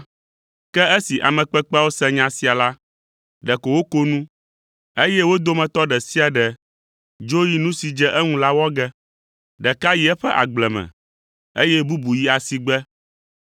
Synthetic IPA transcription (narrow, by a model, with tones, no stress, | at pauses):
kɛ˦ɛ˦si˨ʔa̰˨mɛ̃˨k͡pɛ˦k͡pwo˦sɛ˦ɲã˨si˨a˨la˦ | ɖɛ˨ko˨wo˦ko˦nũ˦ | e˦jɛ˦wo˦d̪o˦mɛ̃˨t̪ɔ˦ɖɛ˨si˦a˨ɖɛ˨ | d͡ʒo˦ji˦nũ˦si˨d͡ʒɛ˦ʔɛ˦ŋũ˦la˦wɔ˦ɡɛ˦ | ɖɛ˨ka˦ji˦ɛ˦ɸɛ˦ʔa̰˨ɡ͡blɛ˨mɛ̰̃˨ | e˦jɛ˦bu˦bu˨ji˦a˨si˨ɡ͡bɛ˦